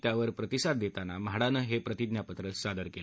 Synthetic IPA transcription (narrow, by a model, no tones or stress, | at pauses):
t̪jaʋəɾpɾət̪isad̪ːet̪anamɦaɽanəɦepɾət̪id̪njapət̪ɾəsad̪əɾkela